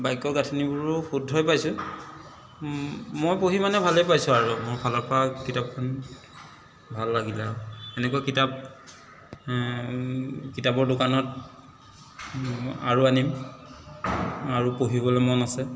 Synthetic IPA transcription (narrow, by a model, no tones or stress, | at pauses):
bajkːɔɡatʰinibʊɹʊxudʱɔjpajsʊ̃ | mojpoɦimanɛbʱalejpajsʊaɹumʊɹxʰɔlɔpakitap̚kʰɔn | bʱalːaɡilaɛnɛkakitap̚ | kitabɔɹdʊkanɔt̚ | a̰ɹuanim | aɹupoɦibɔlɛmɔnasɛ